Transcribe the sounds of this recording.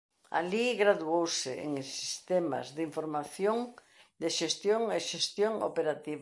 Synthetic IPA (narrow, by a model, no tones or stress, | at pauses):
a̰liɣɾaðuowsɪḛŋsist̪ema̰zðiɱfoɾmaθjoŋ | d̪eʃest̪joŋeʃest̪joŋo̰peɾat̪iβa